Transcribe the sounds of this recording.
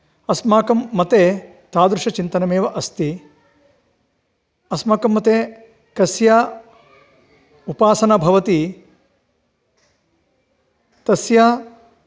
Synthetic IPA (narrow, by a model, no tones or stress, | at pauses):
ɐsmaːkɐmːɐt̪eː | t̪aːd̪ɾuʂɐt͡ʃint̪ɐnɐmeːʋɐʔɐst̪i | ɐsmaːkɐmːɐt̪eː | kɐsjaː | upaːsɐnɐbʱɐʋɐt̪i | t̪ɐsja